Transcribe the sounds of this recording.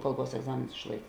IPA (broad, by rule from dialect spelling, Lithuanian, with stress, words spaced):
ˈkɐlˠˌbuɔs ɛɡˈzɑːmʲeːnʊs ɪʃˈlˠɐɪk